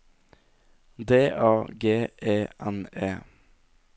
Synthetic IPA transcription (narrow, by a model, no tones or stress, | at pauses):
d̪eːʔɑːɡeːʔeːʔɛneː